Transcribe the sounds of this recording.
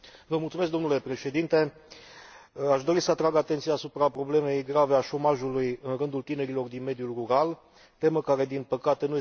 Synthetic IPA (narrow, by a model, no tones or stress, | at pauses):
vəmult̪sumesk̚d̪o̞mnule̞pɾe̞ʃe̞d̪int̪e̞ | aʃd̪o̞ɾisəat̪ɾaɡat̪e̞nt̪sijaːsupɾapɾo̞ble̞me̞jɡɾave̞aʃo̞maʒulujɨnɾɨnd̪ult̪ine̞ɾilo̞rd̪inme̞d̪julruɾal | t̪e̞məkaɾe̞d̪inpəkat̪e̞nuje